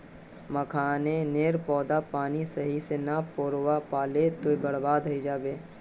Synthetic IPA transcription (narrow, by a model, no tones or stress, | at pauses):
məkʰaːneneːɾpɔːd̪apaːnisɐɦisenapoːɾwapaːlet̪oibəɽbaːd̪ɦɐid͡ʒaːbeː